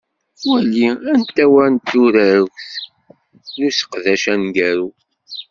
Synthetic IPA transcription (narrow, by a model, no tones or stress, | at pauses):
wælːiænt̪ːæwænt̪ːuɾæɾəwθ | nusə̥qðæʃænɡæɾu